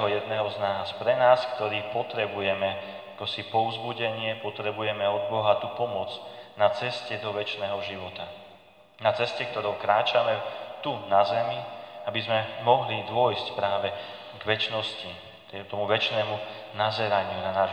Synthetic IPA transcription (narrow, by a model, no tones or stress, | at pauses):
ɦɔjɛd̪nɛːɦɔznaːspɾɛnaːskt̪ɔɾiːpɔt̪ɾɛbujɛmɛ | akɔsipɔvzbuɟɛɲɪɛpɔt̪ɾɛbujɛmɛɔd̪̚bɔɦat̪upɔmʊɔd͡znat͡sɛscɛd̪ɔʋɛt͡ʃnɛːɦɔʒiʋɔt̪a | nat͡sɛscɛk̚t̪ɔɾɔʊkɾaːt͡ʃamɛt̪unazɛmiabizmɛmɔɦlid̪ʊɔjscpɾaːʋɛ | ɡʋɛt͡ʃnɔsci | t̪t̪ɔmuʋɛt͡ʃnɛːmu | nazɛɾaɲɪunanaː